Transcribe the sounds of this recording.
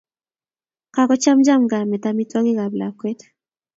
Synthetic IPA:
ka˦kɔ˦t͡ʃa˦md͡ʒa˦mɡa˨mɛ˨ta˦mi˦tɔ˦ɡɪ˦ɡa˨bla˨kwe˦t

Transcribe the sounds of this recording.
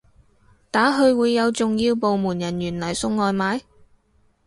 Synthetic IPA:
t̪aː˨˥ɦɵ˧ɥwuː˨˧jːɐ˨˧wt͡sʊ˨ŋjiː˧wpo˨wmuː˨˩njɐ˨˩njyː˨˩nlɐ˨˩jsʊ˧ŋːɔː˨jmaː˨˧j

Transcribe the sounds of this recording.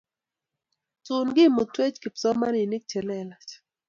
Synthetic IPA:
tʊ˨nɡɪ˦˨mo˨twe˦t͡ʃkɪ˨psɔ˦ma˦ni˨ni˦k̚t͡ʃɛ˨lɛ˦la˨t͡ʃ

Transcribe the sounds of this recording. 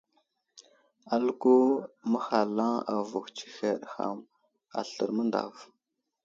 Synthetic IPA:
a˨lku˦mə˦xa˨la˦a̰˨vu˨xt͡ʃi̥˦xe˨ɗxa̰˨m | a̰˨ɬə˨ɾmə˦nda̰˨v

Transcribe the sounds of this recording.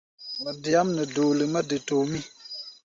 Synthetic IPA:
mə˨di˨a˦mnə˨do˨lə˨mə˦də˨to˨mi˦

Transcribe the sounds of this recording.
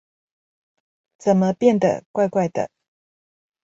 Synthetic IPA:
t͡sə˨˩nmə˦pjɛ˥˨nd̪ə̰˨kwa˥˧ɪkwa˥˩ɪd̪ə̰˨

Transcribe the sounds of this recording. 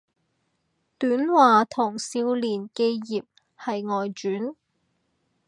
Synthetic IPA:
t̪yː˨˥nwaː˨t̪ʰʊ˨˩ŋsiː˧wliː˨˩nke˧jːiː˨p̚ | hɐ˨jŋɔː˨jt͡ʃyː˨˥n

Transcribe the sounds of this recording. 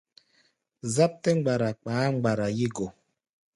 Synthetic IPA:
za˦p̚tɛ˦ŋ͡mɡ͡ba˨ɾa˨k͡paː˨˦ŋ͡mɡ͡ba˨ɾa˨ji˦ɡɔ˨

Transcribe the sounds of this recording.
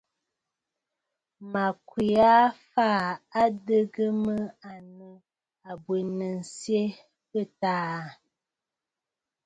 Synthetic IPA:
ma˨kwi˨a˦faː˦˨a˦də˦ɡə˦mə˦a˨nə˨ | a˨bwe˨nə˨n̩˨sje˦ | pə˦taː˦˨

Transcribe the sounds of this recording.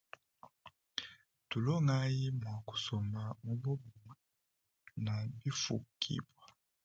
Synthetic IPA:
tu˨lo˦ŋa˦ji˦mwa˨ku̥˨so˨ma˨mu˦bo˦bɔ˨ | na˨bi˦fṵ˨kʰḭ˨bwa˨

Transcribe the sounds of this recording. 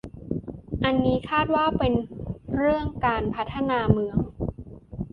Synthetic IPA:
ʔa˧nːiː˦˥kʰaː˥˩t̪̚waː˥˩pe˧nɾɯ˥˩əŋkaː˧npʰa˦˥t̪ʰːa˧naː˧mɯ˧əŋ

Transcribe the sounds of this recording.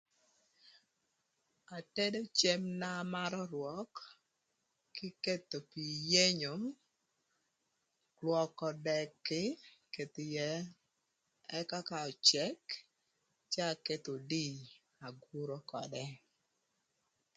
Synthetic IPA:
a˨te˦do˦t͡ʃe˦mna˦ma˦ɾɔ˦ɾwɔ˦k | ɪ˦ke˦t̪o˨pi˨je˦ɲo˨ | klwɔ˨kɔ˨dɛ˨kːɪ˦ke˨t̪ɪ˨jɛ˨˦ | ɛ˦ka˦ka˦ɔ˨t͡ʃɛ˦k | t͡ʃa˦˨ke˦t̪o˨di˦˨ | a˨ɡu˦ɾo˦kɔ˨dɛ˦

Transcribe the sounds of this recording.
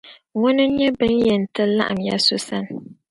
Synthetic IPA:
ŋʊ˦nɨ˦ɲɛ˦bɨ˦njɛ˨n˨tɨ˦la̰˦ʔa˨mja̰˦so˦sa˦˨n˨

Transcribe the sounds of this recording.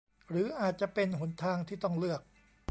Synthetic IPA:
ɾɯː˩˦ʔaː˨˩t̪̚t͡ɕa˨˩pe˧nɦu˩˦nt̪ʰaː˧ŋt̪ʰiː˥˩t̪ɔ˥˩ŋlɯ˥˩ək̚

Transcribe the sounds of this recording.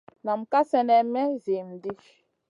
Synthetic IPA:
na˨m̩˨ka˦sɛ˦nɛ˨mɛ˦zi˨m̩˨di˦ʃ

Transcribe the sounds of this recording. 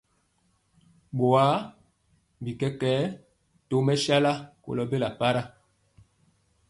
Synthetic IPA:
ɓo˨a˨˦ | bi˨kɛ˦kɛ˦ | to˨˦mɛ˦ʃa˦la˦ko̰˨lɔ˦be˦la˨pa˦ɾa˦

